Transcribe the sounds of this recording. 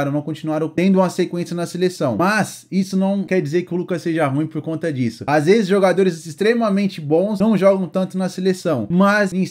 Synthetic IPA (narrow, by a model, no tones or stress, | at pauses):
ɾɐ̃nɐ̃w̃kõt͡ʃinuaɾõt̪ẽnd̪ʊũmɐsekwẽsijɐnɐselesɐ̃w̃mɐz | isʊnɐ̃w̃kɛɾd͡ʒizeɾkɪʊlukɐsseʒɐɦũj̃poɾkõnt̪ɐd͡ʒisʊazvezɪzʒoɡad̪oɾɪzist̪ɾemɐmẽnt͡ʃɪbõw̃snɐ̃w̃ʒɔɡɐ̃w̃t̪ɐ̃nt̪ʊnɐselesɐ̃w̃mɐzẽs